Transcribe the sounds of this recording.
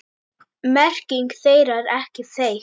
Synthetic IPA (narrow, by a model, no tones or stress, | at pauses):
mɛr̥cɪŋkθejɾaɾɛhcɪθej